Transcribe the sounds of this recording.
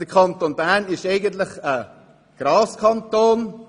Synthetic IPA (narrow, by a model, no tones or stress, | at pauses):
d̥əkʰɑnt̪onbæɾnɪʃeɪɡənt̪ləχə | ɡ̥ɾɑːskʰɑnt̪oːn